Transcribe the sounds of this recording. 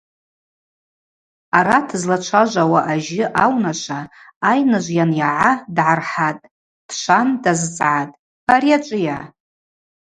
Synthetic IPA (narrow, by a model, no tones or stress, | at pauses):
aɾatʰɨzlat͡ʃʷʰaʒʷawaʔaʒɪʔawnaʃʷʰaː | jnɨʒʷjanjaʕadʕarħatʼ | d̥ʰʃʷandazt͡sʼʕatʼ | aɾiat͡ʃʷʼɨja